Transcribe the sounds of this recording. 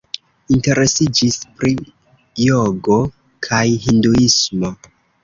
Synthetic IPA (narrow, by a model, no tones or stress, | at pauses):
inte̞ɾe̞sid͡ʒispɾi | joɡo̞ | kʰajɦinduismo̞